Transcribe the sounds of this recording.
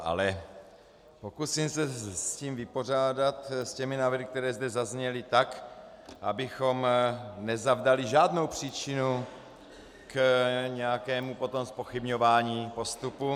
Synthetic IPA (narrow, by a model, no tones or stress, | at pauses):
ʔa̰lɛ | po̞kusimsɛsciːmvɪpo̞r̝aːdat̪scɛminaːvɾɪk̚t̪ɛɾɛːzd̪ɛzazɲɛlɪt̪ak | ʔabɪxo̞mnɛzavdaliʒaːdnowpr̝̥iːt͡ʃɪnu | kɲɛjakɛːmupo̞t̪o̞mspo̞xibɲovaːɲiːpo̞st̪upu